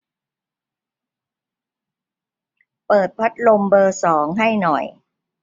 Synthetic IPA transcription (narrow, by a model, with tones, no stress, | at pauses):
pɤː˨˩t̪̚pʰa˦˥t̪̚lo˧mbɤː˧sɔː˩˦ŋɦa˥˩jnɔ˨˩j